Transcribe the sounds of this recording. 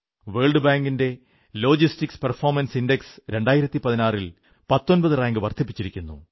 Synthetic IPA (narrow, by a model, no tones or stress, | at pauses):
ʋeːɭɖɨbaːŋɡinde̞ | lo̞ːd͡ʑistiksperfo̞ːrmɐnsinde̞ksɾe̞ɳɖaːjiɾɐt̪ːipɐðinaːril | pɐt̪ːo̞nbɐðɨraːŋɡɨʋɐrt̪ʰipːit͡ɕːiɾikʲːunːṵ